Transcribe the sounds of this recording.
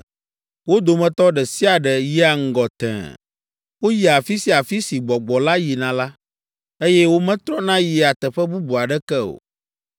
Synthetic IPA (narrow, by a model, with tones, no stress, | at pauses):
wo˦d̪o˨mɛ̃˦t̪ɔ˦ɖɛ˨si˦a˨ɖɛ˨ji˦a˨ŋ̩˦ɡɔ˨t̪ɛ̰̃˨ | wo˦ji˨a˨fi˦si˦a˨fi˦si˨ɡ͡bɔ˨ɡ͡bɔ˨la˦ji˨nã˨la˦ | e˦jɛ˦wo˦mɛ̃˦t̪ɾɔ˦nã˦ji˨a˨t̪ɛ˨ɸɛ˦bu˦bu˨a˨ɖɛ˦kɛ˦o̰˨